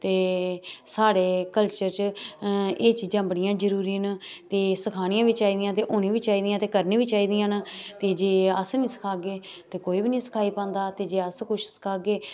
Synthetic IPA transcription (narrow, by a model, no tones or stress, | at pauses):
t̪eːsaːɽeːkəlt͡ʃəɾt͡ʃ | eːt͡ʃiːd͡ʒãːbəɽɪjãːd͡ʒəɾuːɾiːnt̪eːsəkʰaːñɪjãːʋiːt͡ʃaːiːd̪ɪjãːt̪̬eːʔoːnẽːʋiːt͡ʃaːiːd̪ɪjãːt̪eːkəɾnẽːʋiːt͡ʃaːiːd̪ɪjãːnt̪eːd͡ʒeːəsnĩːsə̥kʰaːɡeː | t̪eːkoːiːbiːnĩːsə̥kʰaːiːpãːnd̪aːt̪eːd͡ʒeːəskʊʃʰsə̥kʰaːɡeː